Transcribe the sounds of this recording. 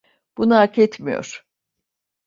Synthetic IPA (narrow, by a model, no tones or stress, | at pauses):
b̥unaakʰɛt̪mijo̞̰ɾ̥